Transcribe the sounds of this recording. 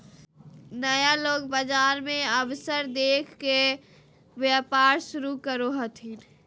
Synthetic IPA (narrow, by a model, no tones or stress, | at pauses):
nəjaloːɡbəd͡ʒaːɾmẽəʋsəɾd̪eːkʰke | ʋjəpaːɾʃʊɾukəɾoɦət̪ʰɦin